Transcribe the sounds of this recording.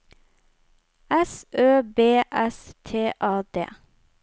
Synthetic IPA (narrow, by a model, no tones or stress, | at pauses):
ɛsʔøːbeːʔɛst̪ʰeːʔæːd̪ḛː